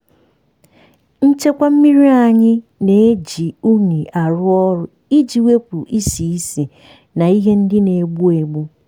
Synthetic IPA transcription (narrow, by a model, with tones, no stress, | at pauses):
n̩˦t͡ʃe˦kʷa˦m̩˦mi˦ɾi˦a˨ɲɪ˦ne˨e˦d͡ʒi˨u˦ni˨a˨ɾʊ˦ɔ˦ɾʊ˦ | i˦d͡ʒi˨we˦pu˨ʔi˦si˨i˦se˨ | na˨i˦ɦe˦n̩˦dɪ˦ne˨ɡ͡bu˦e˨ɡ͡bu˦